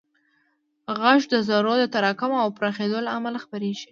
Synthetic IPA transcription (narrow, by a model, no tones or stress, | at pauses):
ɣaʃd̪əzaɾod̪ət̪aɾɑkamoawpɾaxed̪olaamalaxpaɾeʒi̥